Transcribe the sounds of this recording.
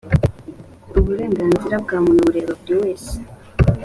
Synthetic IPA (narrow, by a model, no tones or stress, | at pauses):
oβuɾe̞ːŋɡaːnziɾabɡaːmunuβuɾe̞ɾoβuɾiwe̞ːse̥